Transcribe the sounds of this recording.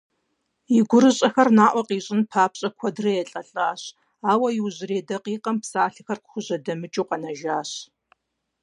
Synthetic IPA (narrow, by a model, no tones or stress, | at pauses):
jɪɡʷʊɾɨɕʼɐxɐrnaːʔʷɔqiːɕʼɪnpʰaːpɕʼɐkʷʰɔdrɐjɛɬʼɐɬʼaːɕ | aːwɐjɪwʑɪɾeːdɐqiːqɐmpsaːɬɨxɐrqxʷʊʑɐdɐmɨt͡ʃʼuqɐnɐʒaːɕ